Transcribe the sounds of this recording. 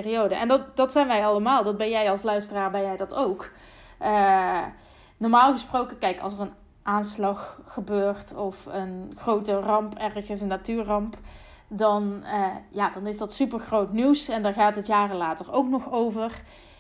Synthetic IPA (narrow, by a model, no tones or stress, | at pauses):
riowdəʔɛndɑtdɑtsɛjnʋɛjɑlˠəmaːlˠdɑd̚bɛnjɛjɑlˠslœɥstəraːɹbɛnjɛjdɑtowk | ʔə | nɔɹmaːlˠɣəsprowkəkɛjkɑ̰lˠsərən | ʔaːnslɑxːəbøːrtɔfənxrowtərɑmpɛɹɣənsənːatyːɹrɑmp | dɑnəjaːdɑnɪsdɑtsypəɹɣrowtniwsɛndaːɹɣaːtɦətjaːrəlaːtərowknɔxowvər